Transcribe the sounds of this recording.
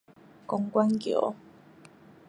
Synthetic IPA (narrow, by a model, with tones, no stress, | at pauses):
ko˨ŋkʷa˦ŋkḭ˧˨ʔo̰˦